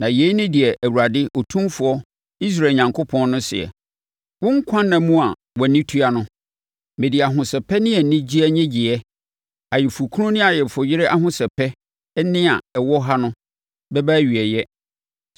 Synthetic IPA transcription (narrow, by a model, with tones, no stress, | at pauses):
nã˨je˦i˦nɪ̃˦dɪ˨ɛ˨ʔæ˨wu˨ɾa˨dɪ˦ʔo˨tʰũ˦mfʊ˨˦ɔ˦ | i˦s̬ɾa˨ɲã˨ŋkʰo˦pʰɔ̃˦nː˦ʊ̃˦sɪ̰˨ɛ̰˨ | wʊ̃˦ŋ̩˦kʷʰã˦nːã˨mũ˦a˨ | wɔ˨nĩ˦tʰu˦a˨nʊ̃˦ | mẽ˨di˨a˨ɦʊ̃˨sɛ˨pʰɛ˦nɪ̃˦ɛ˨nɪ̃˦d͡ʑi˦ɛ˦ɲɛ̃˦d͡ʑi˨ɛ˦ | a˨jɛ˨fu˨kʰu˦ʊ̃˦nɪ̃˦a˨jɛ˨fʊ˨jɪ˦ɾɪ˦ʔa˦ɦʊ̃˦sɛ˨pʰɛ˦ | nɪ̃˦a˨ɛ˨wɔ˦ɦa˦nʊ̃˦ | bɛ˦bæ˦ɥi˨ɛ˨jɛ˦